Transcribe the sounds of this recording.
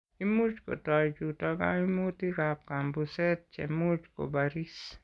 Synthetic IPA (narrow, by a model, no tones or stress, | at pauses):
imut͡ʃko̰tɔjd͡ʒutɔɡa̰imotikap̚kambusɛt̚t͡ʃɛ̰mut͡ʃko̰baɾis